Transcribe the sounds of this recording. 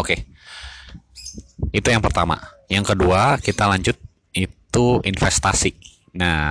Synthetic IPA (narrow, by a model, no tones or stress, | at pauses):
oke | it̪ujaŋpərt̪ama̰jaŋkəduakit̪alaɲd͡ʒʊt̪̚ | it̪uinfɛst̪asi | na